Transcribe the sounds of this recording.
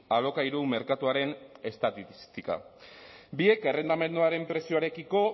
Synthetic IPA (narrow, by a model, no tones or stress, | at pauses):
alo̞kaiɾume̞ɾkat̪uaɾe̞ne̞st̪at̪ist̪ika̰ | bie̞ke̞re̞nd̪ame̞nd̪uaɾe̞mpɾe̞sioaɾe̞kiko̞